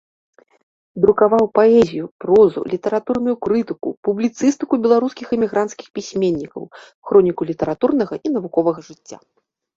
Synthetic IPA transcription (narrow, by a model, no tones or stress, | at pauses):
d̪ɾukavawpaɛzʲijupɾɔzṵlʲit̪ɐɾat̪urnujukɾɨt̪ɨkṵpublʲit̪sɨst̪ɨkubʲɛlˠaɾuskʲixɨmʲiɣɾant̪skʲi̥xpʲisʲmʲenʲːikɐ̰w | xɾɔnʲikulʲit̪ɐɾat̪urnɐɣɐʔinɐvukɔvɐɣɐʐɨt͡sʲːa̰